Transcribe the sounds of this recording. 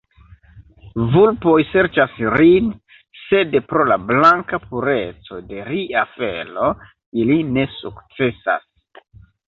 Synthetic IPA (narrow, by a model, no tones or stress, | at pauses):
vulpo̞jse̞ɾt͡ʃasɾin | se̞dpɾo̞lablaŋkapʰuɾe̞t͡so̞de̞ɾiafe̞̰lo̞ | iline̞sukt͡se̞sa̰s